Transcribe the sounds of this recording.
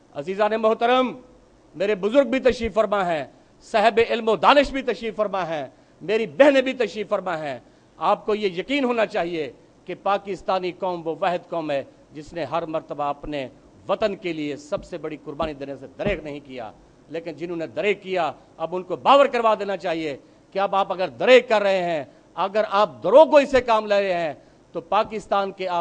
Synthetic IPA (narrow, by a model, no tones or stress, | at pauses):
ɐ̰ziːzaːnemʊɦt̪əɾəmː | eːɾebʊzʊɾɡ̚bʱit̪ɐʃɾiːffɐɾmaɦɛ̃ | sɛɦɛbeɪlmod̪aːnɪʃbʱit̪ɐʃiːffɐɾmaɦɛ̃ː | meːɾibɛɦnebʱit̪ɐʃɾiːffɐɾmaɦɛ̃ | aːp̚kojejɐkiːnɦoːnat͡ʃaːɦie | kepaːkɪst̪aːnikɔːmʋoʋɛɦəd̪kɔːmɦɛ | d͡ʒɪsneɦɐɾmɐɾt̪əbaɐpne | ʋɐt̪ənkeliesɐbsebɐɽikʊɾbaːnid̪ɐnjased̪ɐɾeːknɐɦĩkija̰ː | leːkɪnd͡ʒɪnɦõned̪ɐɾeːkːija | ɐbʊnkobaːʋəɾkɐɾʋad̪eːnat͡ʃaːɦie | keɐbaːpɐɡəɾd̪ɐɾeːkkɐɾːɐɦeɦɛ̃ː | ɐɡəɾaːp̚d̪ɐɾoːɡoisekaːmleːɾeɦɛ̃ | t̪opaːkɪst̪aːnkeaː